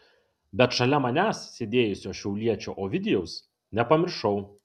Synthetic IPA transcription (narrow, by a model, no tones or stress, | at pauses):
bʲɛt̪ʃɐlʲɛmɐnʲæːssʲeːd̪ʲeːjʊsʲoːʃʲɛʊlʲiɛt͡ʃʲoːʔoːʋʲɪd̪ʲɛjɛʊs | nʲɛpɐmʲɪɾʃɐʊ